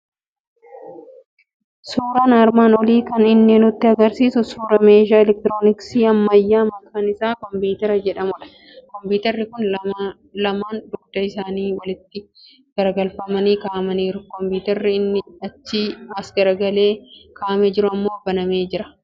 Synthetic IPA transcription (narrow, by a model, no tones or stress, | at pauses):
suːɾanɐɾmaːnɔliːkɐnɪnːeːnʊt̪ːɪɐɡɐɾsiːsʊsuːɾɐmeːʒaːɛlɛk̚t̪ɪɾoːnɪksiːɐmːɐjːaːmɐkaːnɪsaːkɔmbiːt̪ɐɾɐd͡ʒɛᶑɐmʊᶑɐ̥ | kɔmbuːt̪ɐɾːɪkʊn | lɐmaːnd̪ʊɡ̚d̪̥ɐɪsaːniːwɐlɪt̪ːɪ | ɡ̥ɐɾɐɡɐlfɐmɐniːkaːʔɐmɐniːɾʊkɔmpuːt̪ɐɾːɪɪnːɪɐt͡ʃːiːɐsɡɐɾɐɡɐle̞ːkʰaːʔmɛd͡ʒɪɾʊɐmːo̞ːɐbːɐnɐme̞ːd͡ʒɪɾɐ̥